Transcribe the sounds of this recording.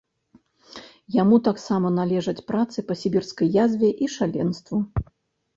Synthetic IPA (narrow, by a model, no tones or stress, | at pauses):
jamut̪aksamɐnalʲɛʐɐt͡sʲpɾat̪sɨpɐsʲibʲirskɐjːazʲvʲɛʔiʂalʲɛnst̪vu